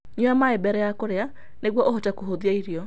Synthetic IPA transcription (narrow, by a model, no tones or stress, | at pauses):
ɲuamaebɛɾɛjakoɾea | neɣwɔʔoɦotakoɦoðiaiɾiɔ